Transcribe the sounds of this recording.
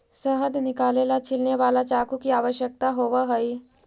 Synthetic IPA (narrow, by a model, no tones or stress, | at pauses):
səɦəd̪nɪkaːlelat͡ʃʰilneʋaːlat͡ʃakukiaːʋəʃjək̚t̪aɦoʋəɦəi